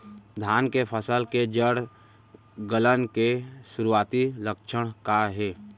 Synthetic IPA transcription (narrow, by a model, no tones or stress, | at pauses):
d̪ʱjaːnkepʰəsəlked͡ʒəɽ | ɡələnkesʊɾuaːt̪iləkʃʰəɽ̃kaɦeː